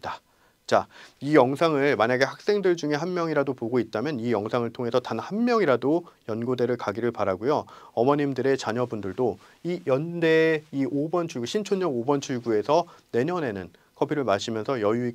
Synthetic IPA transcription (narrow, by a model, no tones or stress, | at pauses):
da | t͡ɕaijʌŋsʰaŋɯɭmaɲaɡe̞hak̚s͈e̞ŋdɯɭd͡ʑuŋe̞ɦanmjʌŋiɾadopoɡoit̚t͈amjʌnijʌŋsʰaŋɯɭtʰoŋɦe̞sʰʌtanhanmjʌŋiɾadojʌnɡode̞ɾɯɭkaɡiɾɯɭpaɾaɡujoʌmʌɲimdɯɾe̞t͡ɕaɲʌbundɯɭdo | ijʌnde̞iʔobʌnt͡ɕʰuɭɡuɕʰint͡ɕʰoɲʌɡobʌnt͡ɕʰuɭɡue̞sʰʌne̞ɲʌne̞nɯn | kʰʌbiɾɯɭmaɕʰimjʌnsʰʌjʌjui